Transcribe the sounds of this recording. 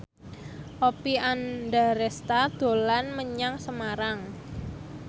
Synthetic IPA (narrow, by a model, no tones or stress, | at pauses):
ʔopianda̤ɾɛst̪ad̪̥o̤lanməɲaŋsəmaɾaŋ